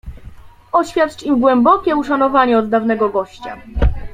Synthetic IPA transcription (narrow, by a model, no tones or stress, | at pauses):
ɔɕfʲjat̪t͡ʂimɡwɛmbɔkʲɛuʂanɔvaɲɛɔd̪ːavnɛɡɔɡɔɕt͡ɕa̰